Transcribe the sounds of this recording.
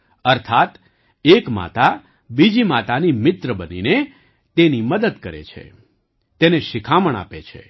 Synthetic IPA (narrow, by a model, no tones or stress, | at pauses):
əɾt̪ʰat̪ | ekma̰t̪a | bid͡ʒimat̪animɪt̪ɾəbənḭne | t̪eniməd̪əd̪kəɾḛt͡ʃʰḛ | t̪eneʃɪkʰaməɳ̃a̰pet͡ʃʰḛ